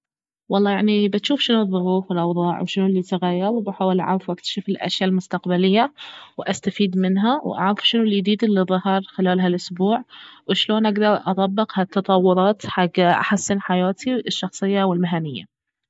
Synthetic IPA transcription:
wɑlˤːɑːjaʕnibɪt̪ʃuːfʃɪnuðˤːʊɣuːfwɪlʔɑwðˤɑːʕwʃɪnulːit̪aɣajːɑɾwbaħaːwɪlʔaʕa̰ːɾˤɪfwʔakt̪ḁʃɪfɪlʔa̰ʃjaːlmʊst̪aqbalɪjːawʔast̪afiːd̪mɪnɦawʔa̰ʕɾɪfʃɪnulːid̪iːd̪ilːɨðˤːɑhɑɾˤxɪlaːlɦalʔʊsbuːʕwɪʃloːnʔaɡd̪ɑɾˤʔɑt̪ˤɑbːɪqhat̪ːɑt̪ˤɑwːʊɾˤɑːt̪ħaɡːʔa̰ħasːɪnħajaːt̪ʰiɪʃːɑxsˤɨjːawɪlmɪɦanɪjːa̰

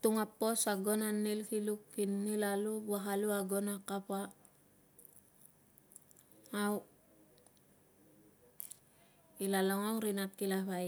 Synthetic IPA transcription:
t̪uŋapːosaɡonanːilkilukːinːilalubaɦaluaɡonakapa | w | ilaloŋoŋɾinat̪̚kilaβaj

